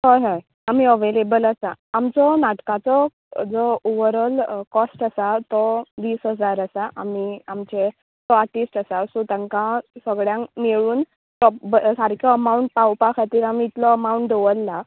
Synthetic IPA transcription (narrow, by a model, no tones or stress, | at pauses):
ɦɔjɦɔj | amiəʋelebələsaːmt͡sɔnaʈkãt͡sɔ | d͡zɔoʋəɾəlkɔsʈəsat̪ɔʋiːsɦəd͡zaɾəsaʔamiamt͡ɕe | t̪ɔaʈisʈəsasut̪əŋkãsəɡɭjãŋmeɭuːn | t̪ɔbəsaɾkʰɔəmauɳʈ̚pawpakʰat̪iːɾamiːt̪lɔəmauɳʈ̚d̪oʋəlːa